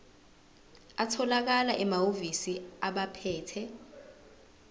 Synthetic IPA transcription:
atʰɔlak̬alaʔɛmaovisiaɓapʰɛːtʰɛ

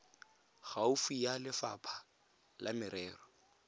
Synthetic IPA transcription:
ɣaʊfijalɪfa̰pʰḁ | lamɪɾɛːrɔ

